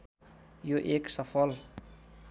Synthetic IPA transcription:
joʔeksafɔl

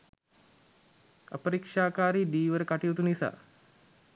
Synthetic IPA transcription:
ə̰pəɾikʂaːkaːɾiːd̪iːʋəɾəkaʈijut̪unisa̰ː

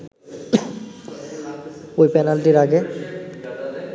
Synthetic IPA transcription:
ojpɛnalʈiɾaɡe

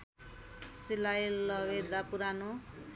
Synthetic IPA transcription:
silailːʌwed̪apuɾano

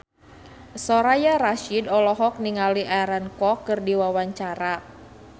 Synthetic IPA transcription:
sɔɾajaɾaʃidɔlɔɦɔk̚niŋaliʔaɾankɔkːɨrdiwawaɲt͡ʃaɾa

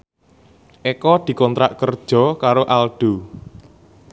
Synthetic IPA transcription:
ʔekɔd̪̥i̤kɔnt̪ɾaʔkərd̥ʒ̥ɔ̤kaɾoʔalɖ̥o̤

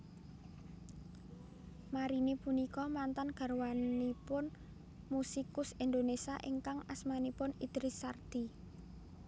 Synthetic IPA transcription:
maɾinipunikɔmant̪anɡ̥a̤rwanipʊn | musikʊsind̪onesiaʔiŋkaŋasmanipʊnid̪̥ɾisard̪̥i

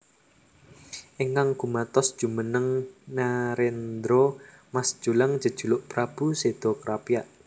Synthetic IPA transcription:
ʔeŋkaŋɡ̥umat̪ɔsd̥ʒ̥ṳmənəŋnaɾend̪ɾɔ | masʒ̥ulaŋ̥d͡ʒ̥ə̤d̥ʒ̥ṳlʊʔpɾab̥used̪̥ɔkɾapijaʔ

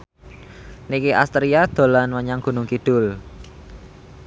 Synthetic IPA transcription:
nikiʔa̰st̪ɾiad̪̥o̤lanwəɲaŋɡ̥ṳnʊŋkid̪̥ʊ̤l

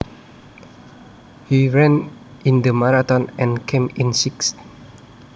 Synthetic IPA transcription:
hiɹɛ̃nĩndəmaɹat̪ɔ̃nɛ̃nkʰẽmĩnsikst

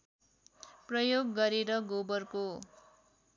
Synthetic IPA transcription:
prʌjoɡːʌɾeɾʌɡobʌrko

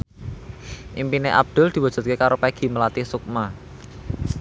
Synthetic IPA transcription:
ʔimpineʔa̰b̚d̪̥ʊ̤ld̪̥i̤wad̥ʒ̥ṳt̪̚kekaɾopaɡ̥i̤məlat̪isuk̚ma

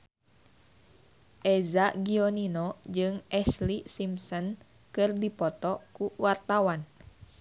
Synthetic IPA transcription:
ʔɛzaɡioninɔd͡ʒɨŋɛslisimsɔn | kɨrdipɔt̪ɔkuwart̪awan

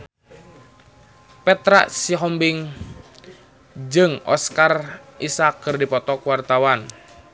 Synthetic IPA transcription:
pɛt̪ɾa̰ʔsiɦɔmbiŋ | d͡ʒɨŋɔ̰skarʔisakːɨrdipɔt̪ɔkuwart̪awan

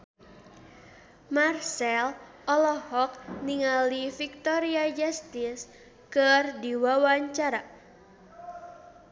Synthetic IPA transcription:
marsɛl | ɔlɔhɔk̚niŋalifik̚t̪ɔɾiad͡ʒast̪ɪs | kərdiwawaɲt͡ʃaɾa

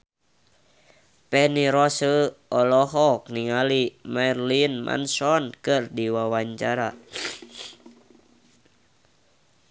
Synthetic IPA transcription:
pɛniɾɔsəɔlɔɦɔk̚niŋalimɛrlinmʔa̰nsɔnkɨrdiwawaɲt͡ʃaɾa

